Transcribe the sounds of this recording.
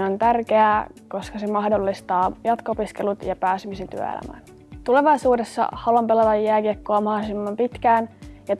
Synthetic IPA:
nont̪ærk̟eæko̞skɑsemɑhdolːist̪ɑːjɑt̪koopiske̞lut̪jɑpæːsymise̞nt̪y̰ø̰ḛæ̰mæ̰ːn | t̪ule̞ʋɑjsuːde̞sːɑ̰hɑluɑmpe̞lɑt̪ɑjːæːkikːoɑmɑhosimːɑmpit̪k̟æːnjɑt

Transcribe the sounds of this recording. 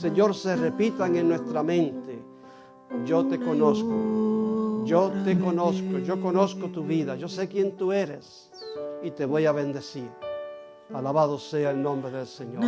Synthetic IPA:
seɲo̞ɾserepit̪aŋenːwest̪ɾamẽ̞nt̪e | ʒot̪eko̞nosko | ʒot̪ekonoskoʝoko̞noskot̪uβiðaʝo̞sekjent̪ueɾes | it̪e̞βo̞jaβẽnd̪e̞siɾ | alaβað̞oseaelnõmbɾeðelseɲo

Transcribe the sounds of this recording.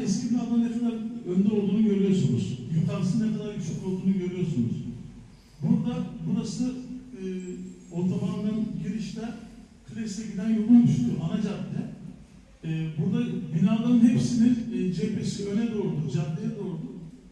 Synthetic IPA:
ɛscʰiad̪amnefimɛnønd̪ɛo̞lˠd̪uːnuɟø̞ɾyjo̞ɾsunṵz̥jukʰaɾsɯnnɛkad̪aɾɟyt͡ʃʰykʲlot̪ʰuːnuɟø̞ɾyjo̞ɾsunṵz̥ | buɾd̪abuɾasɯː | ot̪ʰamamɡanɟiɾiʃt̪ɛ | kʰɯlʲesɛɟid̪ænjolulˠmyʃt̪ʰujʔanad͡ʒad̪ːɛ | buɾd̪abinad̪ˠaɾɯnhepsininːd͡ʒɛpesiønɛd̪o̞ːɾud̪ud͡ʒad̪ːejɛd̪o̞ːɾud̪u

